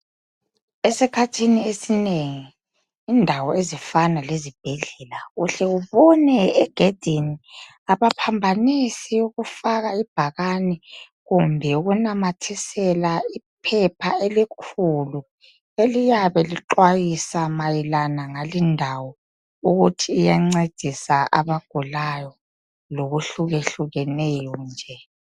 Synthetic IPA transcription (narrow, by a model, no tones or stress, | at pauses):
esikʰatʰiniesineŋiː | ndʱawɔezifanalezib̥ʱɛɮɛlaɣuɬɛɣuβɔnɛːɡ̥ʱed̥ʱini | aβapʰambʱanisiuɣufaɣaib̥ʱaɣani | ɣumbʱɛuɣunamatʰisɛlaipʰɛpʰaelikʰulu | elijaβɛliǃwajisamajilanaŋalindʱawɔ | uɣutʰiːjaŋ͡ǀed̥ʱisaʔa̰βaɡ̥ʱulajɔ | loɣuɬuɣeɬuɣɛnɛjɔnd͡ʒʱɛ